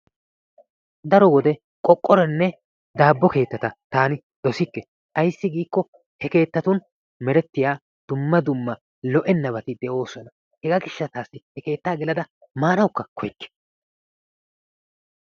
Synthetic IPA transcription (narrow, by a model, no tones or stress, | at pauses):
d̪ɐɾɔwɔd̪ɛ | kʼɔkʼːɔɾɛnːɛ | d̪aːbːɔke̞ːt̪ːɐt̪ɐt̪aːnɪ | d̪̥ɔsɪkːɛ | ʔɐjsːɪɡiːkːɔ | hɛke̞ːt̪ːɐt̪ʊn | mɛɾɛt̪ːɪjaː | d̪̥ʊmːɐd̪ʊmːɐ | lɔʔɛnːɐβɐt̪ɪd̪ɛʔo̞ːsɔnɐ | hɛɡɐɡɪʃːɐt̪aːsːɪhɛke̞ːt̪ːaːɡɪlɐd̪ɐ | maːnɐwkːɐkʰɔjkːɛ̥